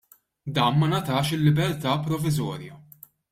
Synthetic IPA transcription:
d̪ɐːnmɐnɐt̪ɐːʃɪlːɪbɛɾt̪ɐːpɾɔvɪzɔːɾjɐ

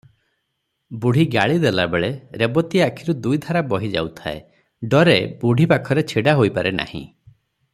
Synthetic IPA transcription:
buɽ̤iɡaɭid̪ela̰beɭeɾebɔt̪iakʰiɾud̪ujd̪ʱaɾabɔɦid͡ʒa̰wt̪ʰaḛ | ɖɔɾebuɽ̤ʱipakʰɔɾet͡ʃʰiɽaɦojpaɾena̰hḭ̃

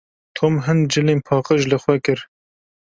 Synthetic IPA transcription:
t̪ʰoːmɦɨnd͡ʒɨleːnpʰɑːqəʒlɨxwɛkɨɾ

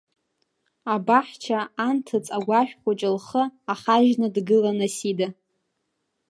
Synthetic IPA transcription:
abaħt͡ʃʰaantʰɨt͡sʼaɡʷaʃᶣχʷʼat͡ʃʼɪlχəaχaʒnɨdɡɨlanasida

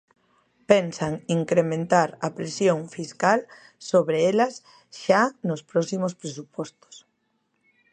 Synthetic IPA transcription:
pensaŋiŋkɾemẽnt̪aɾɐpɾesjoŋfiskal | soβɾeelɐs | ʃanospɾɔsimospɾes̬upɔst̪o̥s

